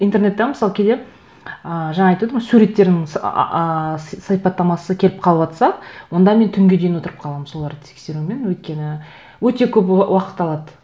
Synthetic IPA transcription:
int̪eɾne̞t̪ːɑməsɑlˠkʲʰed̪e̞ | əʒɑɴɑɑjt̪wed̪əmojsuɾe̞t̪ːe̞ɾd̪ɪɪŋ̰əsɑjpɑt̪ːɑmɑsəkʲʰe̞lɪp̚qʰɑlˠəpɑt̪sɑwo̞nd̪ɑme̞nt̪ʰʏŋɡʲe̞d̪e̞jnwot̪əɾəp̚qʰɑlˠɑməmso̞lˠɑɾd̪ət̪ʰe̥kse̞ɾume̞nwɵjt̪̚kʲe̞nɪ | wɵt̪e̞kʲʰɵp̬wɑqə̥t̪ːɑlˠɑd̪ə

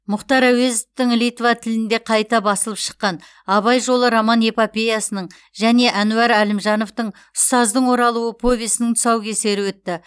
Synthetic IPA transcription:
mʊχt̪ɑɾæwe̞zot̪ɪŋlijt̪vat̪ʰɪlɪnd̪e̞qʰɑjt̪ɑbɑsəlˠəpʃə̥qːɑn | ɑβɑjʒo̞lˠəɾamɑnepapʲejasənəɴ | ʒæne̞ʔænuɑɾælɪmʒɑno̞ft̪əɴ | ʊst̪ɑzd̪əɴwo̞ɾɑlˠuwəpʰo̞vʲisɪnɪŋt̪ʰʊ̥sɑwkʲʰese̞ɾɪwɵt̪ːɪ

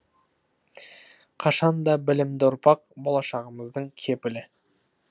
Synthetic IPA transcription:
qʰɑʃɑnd̪ɑbɪlɪmd̪ɪʊɾpɑqbo̞lˠɑʃɑʁəməzd̪əɴkʲʰe̞pɪlɪ

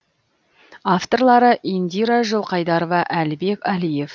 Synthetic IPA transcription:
aft̪o̞rlˠɑɾəʔind̪iɾaʒəlˠqʰɑjd̪ɑɾovɑʔælɪbe̞kʲɑlije̞f

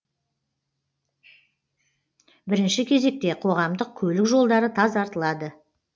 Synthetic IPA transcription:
bɪɾɪnʃɪkʲʰe̞ze̞k̚t̪e̞qʰo̞ʁɑmd̪əq̚kʲʰɵlɪkʒo̞lˠd̪ɑɾət̪ʰɑzɑɾt̪əlˠɑd̪ə

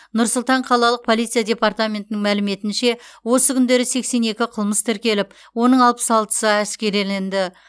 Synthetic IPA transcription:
nʊɾsʊlˠt̪ɑɴqʰɑlˠɑlˠəq̚pʰo̞lˠit̪sɨjadʲe̞part̪amʲe̞nt̪ɪnɪŋmælɪme̞t̪ɪnʃe̞wo̞səkʲʰʏnd̪e̞ɾɪse̞kse̞ne̞kʲɪqʰəlˠməst̪ʰɪɾkʲe̞lɪp | wo̞nəɴɑlˠpə̥sɑlˠt̪ə̥səæskʲe̞ɾelend̪ɪ

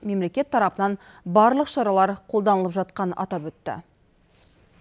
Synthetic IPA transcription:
me̞mle̞kʲe̞t̪ʰːɑɾɑpənɑn | bɑɾlˠəqʃɑɾɑlˠɑɾqʰolˠd̪ɑnəlˠəpʒɑt̪qɑnɑ̰t̪ɑpwɵt̪ːɪ̰

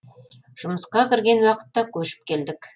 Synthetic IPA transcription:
ʒ̥ʊməsqɑkʲɪɾɡʲe̞nwɑqə̥t̪ːɑkʲʰɵʃɪ̥p̚kʲʰe̞ld̪ɪk

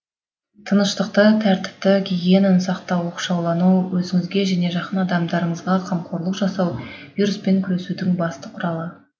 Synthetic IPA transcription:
t̪ʰənəʃt̪əq̚t̪ət̪ʰæɾt̪ɪ̥p̚t̪ɪkʲʰeɡʲenɪnsɑqt̪ɑwo̞qʃɑwlˠɑnuwɵzɪŋɪzɡʲe̞ʒæne̞ʒɑqənɑd̪ɑmd̪ɑɾəɴəzʁɑqʰɑmqʰo̞ɾlˠəqʒɑsɑwvijɾʊspe̞ŋkʲʰʏɾe̞sud̪ɪŋbɑst̪əqʰʊɾɑlˠə

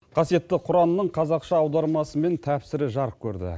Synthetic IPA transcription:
qʰɑsije̞t̪ːɪqʰʊɾɑnənəɴqʰɑzɑqʃɑːwd̪ɑɾmɑsəme̞nt̪ʰæpsɪɾɪʒɑɾəp̚kʲʰɵɾd̪ɪ̰

